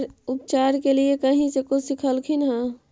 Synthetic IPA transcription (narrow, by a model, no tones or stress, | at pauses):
ɾʊpt͡ʃaɾkeliekəɦĩsekʊsikʰəlkʰinɦɛ̃